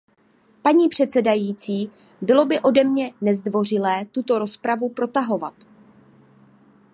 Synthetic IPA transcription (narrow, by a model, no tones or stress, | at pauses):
paɲiːpr̥ɛt̪t͡sɛdajiːt͡siː | bɪlo̞bɪʔo̞dɛmɲɛnɛzdvo̞r̝ɪlɛːt̪ut̪o̞ɾo̞spɾavupɾo̞t̪aɦo̞va̰t̪